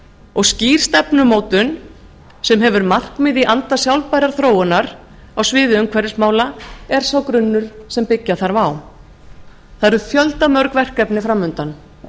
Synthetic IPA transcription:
ɔɣsciːɾ̥st̪ɛpnʏmoːwt̪ʏn | sɛmɦɛvʏɾmar̥kmɪðiʔant̪asjawlpajɾaɾ̥θɾoːwʏnaɾ | awsvɪːðɪʏmkʰvɛɾɪsmaːwlaɛɾ̥sawkɾʏnːʏɾ̥sɛmpɪcːaθaɾvaːw | θaɾʏθjœlt̪amœɾkvɛr̥kɛpnɪfɾawmʏnt̪an

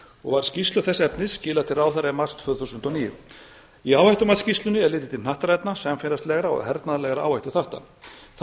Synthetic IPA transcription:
ɔ̰ɣvaɾ̥scist̪lʏθɛsːɛpnɪscɪːlaðt̪ʰɪɾaːwθaɾɛmḁst̪ʰfvœðθusʏnt̪ɔniːjʏ̰ | iaːwvhajt̪ʏmaðscist̪lʏnɪɛɾlɪːt̪ɪt̪ʰɪnaht̪ɾɛjt̪nasɛmfɪɾast̪lɛɣɾaɔ̰ɣhɛɾt̪naðlɛɣɾaa̰ːwvhajt̪ʏθaht̪a̰θ

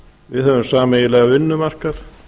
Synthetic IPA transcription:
vɪðhœvʏmsaːmɛjɪlɛɣaʏnːʏmar̥kaɾ̥

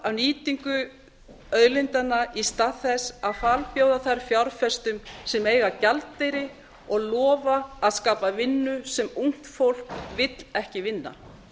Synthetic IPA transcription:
awniːt̪iŋkʏ | œðlɪnt̪anːaist̪aðθɛsaðfalpjoːwðaθajɾfjawɾ̥fɛst̪ʏmsɛmeːjɣacalt̪ːejɾɪ | ɔɣlɔːvaːðskaːpavɪnːʏsɛmuŋ̥t̪fowl̥kvɪt̪l̥ɛhcɪvɪnːa̰

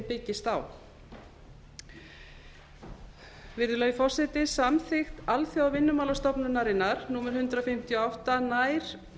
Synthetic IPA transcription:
pɪcːɪst̪aːw | vɪɾðʏlœːɥjʏfɔr̥sɛt̪ɪsamθɪxt̪alθjawawvɪnːʏmaːlast̪ɔpnʏnaɾɪnːaɾ̥nuːmɛɾ̥hʏnt̪ɾafɪm̥t̪jɔawht̪anaːjɾ̥

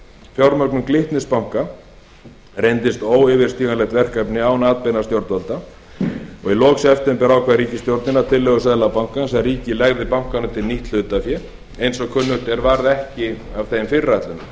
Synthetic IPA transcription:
fjowɾmœknʏmklɪht̪nɪspawŋ̥ka | rejnt̪ɪst̪oːwɪːvɪɾ̥st̪iːɣanlɛxt̪vɛr̥kapnɪawnaːt̪̚pejnast̪jowɾt̪alt̪a | ɔɣilɔːksɛft̪ɛmpɛɾawkʰaðɾiːcɪst̪jowɾt̪nɪnat̪ʰɪlːɛɣʏsɛðlapawŋ̥kansɛɾiːcɪlajɣðɪpawŋ̥kanʏt̪ʰɪlniht̪l̥ʏːt̪afjɛ | ejnsɔkʰʏnːʏt̪ɛɾvaɾðɛhcɪavθeːjmfɪrːajt̪lʏna

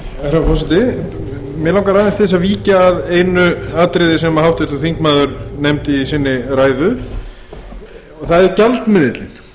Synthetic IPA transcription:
ɛθɾafɔsɛt̪ɪ | mjɛlawŋkaɾaːðɪnst̪ɪs̬aviːcaːðejnʏaːt̪ɾɪjðɪs̬ɛmahawft̪ɛt̪uθiŋkmaːðʏɾnejmt̪isɪnːɪɾaːjðʏ | ɔθaðɛɪɾcalt̪mɪðɪt̪lɪn̥

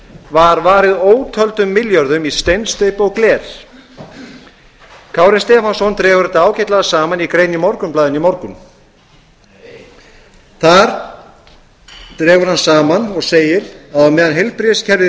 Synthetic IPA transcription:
vaɾvaːɾɪðoːwt̪ʰœlt̪ʏmːɪljœɾðʏmist̪ejnst̪œɥpɔɣklɛːɾ̥ | kʰaːwɾɪnst̪ɛːfansɔnt̪ɾɛːvʏɾɪt̪aːwcʰɛt̪laðasaːmanikɾeːjnːɪmɔɾkʏmplaːðɪnimɔɾkʏm | θaɾ | t̪ɾɛːvʏɾ̥hansaːmanɔɣseːjɪɾ̥aðɔmɛːðanɦelpɾɪscʰɛɾðɪ

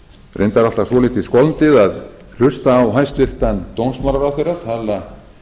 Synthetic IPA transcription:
rʔejnt̪aɾalt̪asvɔlit̪iskɔlnt̪ɪðað | l̥ʏst̪aːwɦajst̪vɪht̪ant̪ownsmaɾaɾawθejɾat̪ʰala

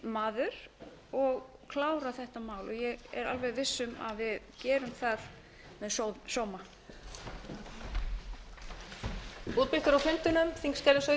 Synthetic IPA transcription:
maːðʏɾ̥ | ɔɣ | kʰlaːwɾaθɛht̪amaːwlɔjɛɣɛ̰ɾa̰lvɛjðvɪsːʏma̰ðvɪðcɛːɾʏmθað | mɛðsowðsɔːwma | uːt̪̚pɪlk̪ʏɾawfʏnt̪ʏnʏmθiŋkscɛlɪsœ

